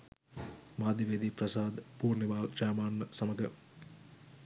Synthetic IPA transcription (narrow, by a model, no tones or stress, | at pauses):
maːd̪iʋed̪iːprɐsaːd̪puːrniʋaːld͡ʒaːmaːnːəsɐməɡə